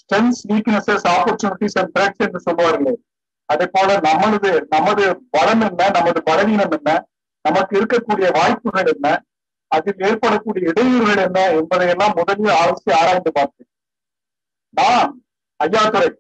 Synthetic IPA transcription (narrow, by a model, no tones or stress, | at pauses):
sʈɛnsʋiːknɐsɛsaːpɐɾt͡ʃʊnɪʈːisɛnʈɾeksɛndrɯsɔlːɯʋaːɾɪlːɐj | ɐðɐpːoːlɐnɐmːɐɭɐðɯnɐmːɐðɯbɐlɐmɛnːɐnɐmːɐðɯbɐlɐɣiːnɐmɛnːɐ | nɐmɐkːɯɪɾɯkːɐkːuːɽɪjɐʋaːjpːɯɾɣɐɭɛnːɐ | ɐðɪleːɾpɐɽɐkːuːɽɪjɐɪɽɐjɯɾɣɐɭɛnːɐɛnbɐðɐjɛlːãːmʊðɐlɪjɐaːʋɐsɪjɐaːɾaːjnd̪ɯpaːɾt̪ɯ | naːn | ɐjːaːt̪ɯɾɐɪ